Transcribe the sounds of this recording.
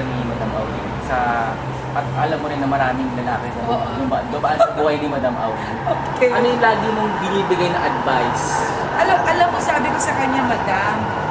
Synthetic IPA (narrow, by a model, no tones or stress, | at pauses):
ɐnnŋɪmɐd̪amʔɐ̰wdɪ̰nsɐ | ʔɐt̪ɐlɐmːoɾɪnːɐmɐɾaːmɪŋlɐlaːkɪd̪ɐd̪ʊmbɐd̪ʊbɐʔsɐbʊhajnɪmɐd̪amʔɐ̰wɪ | okɐnojʊlaːɡɪmoŋbɪniːbɪɡajnɐŋʔɐd̪̚vajs | ʔɐlɐmʔɐlɐmːosaːbɪkosɐkɐɲːamɐd̪am